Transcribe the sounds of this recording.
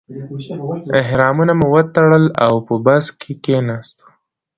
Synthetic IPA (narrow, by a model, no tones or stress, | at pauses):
ɪɦɾɑmunamuwət̪aɽəlawpəbaskʰekenɑst̪o̥